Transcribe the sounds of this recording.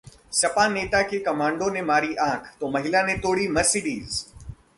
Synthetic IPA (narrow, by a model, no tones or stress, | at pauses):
sɐpaːneːt̪akʰeːkɐmãːɳɖonẽmaːɾiːʔãːkʰt̪oːmɐɦɪlanẽt̪oːɽimɐsɪɗiːz